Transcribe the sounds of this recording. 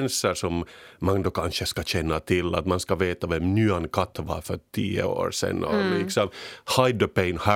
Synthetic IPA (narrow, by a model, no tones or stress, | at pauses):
nsəʂɔmːaŋd̪ɔkʰɑnʂəskɑɕɛnːat̪ʰɪlːa̰t̪manskɑveːt̪avɛmnʉːankʰat̪ʰːʋɑ̰ɾfœʈʰiːə̰o̰ːɾʂɛ̰nːɔ̰lɪksɔmhaɪd̪ɔpɛɪnhæ